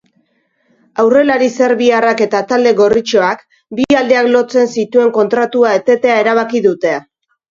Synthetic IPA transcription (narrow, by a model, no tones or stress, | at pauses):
awre̞laɾise̞ɾβiarake̞t̪at̪ald̪e̞ɣo̞rit͡ʃo̞ak | biald̪e̞aklo̞t͡se̞nsit̪ue̞ŋko̞nt̪ɾat̪uae̞t̪e̞t̪e̞ae̞ɾaβ̞akiðut̪e̞a